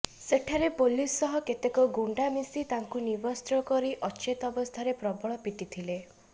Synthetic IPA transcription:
seʈʰaɾepolisɔɦɔket̪ekɔɡuɳɖamisit̪aŋkunibɔst̪ɾɔkɔɾiʔɔt͡ʃet̪ɔbɔst̪ʰaɾepɾɔbɔɭɔpit̪it̪ʰile

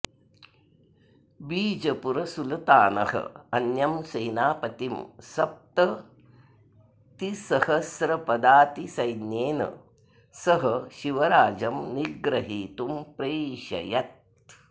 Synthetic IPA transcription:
biːd͡ʒɐpuɾɐsult̪aːnɐ̰hɐ̰ɐnjɐmsɐjnaːpɐt̪imsɐp̚t̪ɐ | t̪isɐhɐsɾɐpɐd̪aːt̪isɐjnjeːnɐ̰ | sɐɦɐʃiʋɐɾaːd͡ʒɐmniɡɾɐɦiːt̪umpɾeːʃɐ̰jɐt̪̚

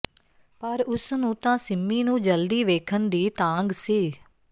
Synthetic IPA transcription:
pəɾʊsnũːt̪ãːsɪmːiːnũːd͡ʒəld̪iːʋeːkʰənd̪iːt̪ãːŋɡsiː

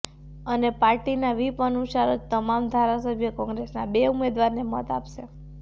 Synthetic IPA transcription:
ənepaɾʈinaʋipənuʃaɾod͡ʒt̪əmamd̪ʱaɾasəbʱjəkɔ̃ŋɡɾesnabeumed̪ʋaɾnemɔ̰t̪a̰pʃe

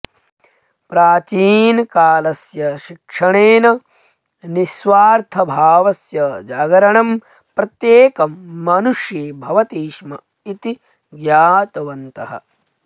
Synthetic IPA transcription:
pɾaːt͡ʃiːnkaːlɐsjɐʃikʂɐɳeːnɐ | nisʋaːɾt̪ʰɐbʱaːʋɐsjɐd͡ʒaːɡɐɾɐɳɐm | pɾɐt̪jeːkɐmːɐnuʂjeːbʱɐʋɐt̪iːʂmɐ | it̪i | ɡjaːt̪ɐʋɐnt̪ɐɦɐ̰

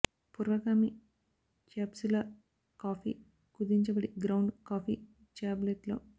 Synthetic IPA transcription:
puɾʋɐkaːmi | t͡ʃaːpsulɐ | kaːpʰḭ | kud̪iɲt͡ʃɐbɐɽiɡɾɐwɳɖkaːpi | t͡ʃaːblet̪lo

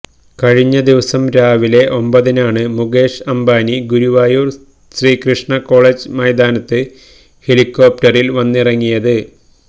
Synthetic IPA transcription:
kɐɻiɲːɐd̪iʋɐsɐmɾaːʋile̞ʔo̞mbɐðinaːɳɨmuɡe̞ːʂɐmbaːniɡuɾuʋaːjuːr | ɕriːkrɨʂɳɐko̞ːɭeːd͡ʑmɐjd̪aːnɐt̪ːɨ | he̞likːo̞ːp̚ʈɐrilʋɐnːirɐŋːijɐðɨ

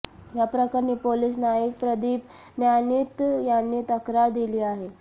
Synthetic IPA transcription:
japɾəkaɾniːpoliːs̬najək̚pɾəd̪iːp | njanit̪janːiːt̪əkɾaɾd̪iliːaɦe

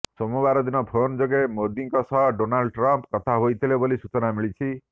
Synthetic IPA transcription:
sɔmubaɾɔd̪inɔpʰond͡ʒɔɡemod̪iŋkɔsɔɦɖonalɖʈɾɔmpkɔt̪ʰaɦojt̪ʰilebolisut͡ʃɔnamiɭit͡ʃʰi

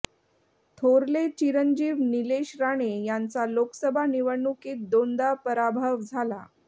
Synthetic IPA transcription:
t̪ʰoɾlet͡ɕiɾənd͡ʑiːʋnileɕɾaɽ̃ejant͡salokə̥səbʱaniʋəɳːukiːt̪̚d̪ond̪apəɾabʱəʋd͡zʱala

